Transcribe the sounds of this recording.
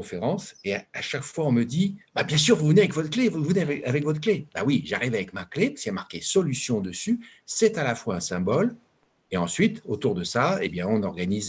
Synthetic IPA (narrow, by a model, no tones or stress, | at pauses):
ɔ̃feʁɑ̃seaaʃakfwaɔ̃məd̪ibabjɛ̃s̬yʁvuvneavɛkvɔt̪χklevuuvneavɛavɛkvɔt̪χkleba̰wiʒaʁivavɛkmaklepḁskiamaʁkʲesɔlysjɔ̃d̪əsy | sɛt̪alafwaɛ̃sɛ̃bɔl | eɑ̃sɥit̪ot̪uʁd̪əsaḛbjɛ̃ɔ̃nɔʁɡaniz